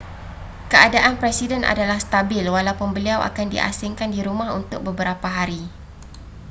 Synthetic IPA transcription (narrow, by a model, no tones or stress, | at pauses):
kəadaʔanpɾɛsidɛnʔa̰dalahst̪abɪlwalawpʊnbəliawʔa̰kandḭʔa̰sɪŋkandiɾumãɦṵnt̪ʊk̚bəbəɾapaɦaɾi